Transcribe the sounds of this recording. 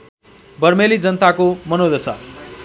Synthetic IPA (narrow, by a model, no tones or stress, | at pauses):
bʌrmelid͡zʌnt̪akomʌnod̪ʌsʌ̰